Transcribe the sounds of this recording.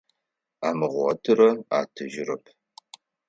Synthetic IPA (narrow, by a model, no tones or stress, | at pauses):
aːmɨʁʷɔ̰tʰɨɾɐa̰ːtʰɨʒɪrɐpʰ